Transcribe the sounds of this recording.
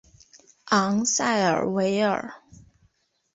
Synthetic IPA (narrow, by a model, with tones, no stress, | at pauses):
ʔɑ˧˥ŋsa˥˩ɪə̰˞˨˩we˧˥ɪə̰˞˨˩